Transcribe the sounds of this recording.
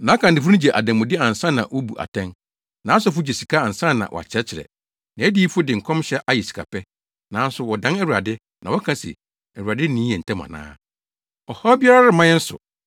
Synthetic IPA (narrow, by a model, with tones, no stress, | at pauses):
nã˨˦kʰã˨n˨dɪ˨fu˦ũ˦d͡ʑɛ˨ʔa̰˨dã˨mː˨ʊ̃˨dɪ˦ã˨n̩˨sã˦nã̰˨wɔ˦bu˨ʔa̰˨tʰɛ̃˦n | nã˨˦sʊ˨˦fʊ˦d͡ʑɛ˨si˨kʰa˦a˨n̩˨sã˦nnã̰˨wʔɔ̰˨a̰˨t͡ɕʰɪ˦ɾɛ˦t͡ɕʰɪ˨ɾɛ̰˨ | nã˨˦æ˦diː˦fʊ˦dɪ˨ŋ̩˨kʰɔ̃˦mɕɛ˦ʔa˦jɛ˨si̥˨kʰa̰˨pʰɛ˦ | nã˨˦n̩˦sʊ˨wɔ˨dã˨˦nɛ˦wu˨ɾa̰˨dɪ˦ | nã˨wɔ˦kʰã˦sɛ̰˨ | ɛ˨wu˨ɾa˨dɪ˦nĩ˦ɛ̃˨n̩˨tʰɛ̃˦mã̰˨nã̰ː˦ | ɔ˨hɔ˦bi˦a˦ɾa˦ɾɪ˦mã˦jɛ˦n̩˦sʊ̰˨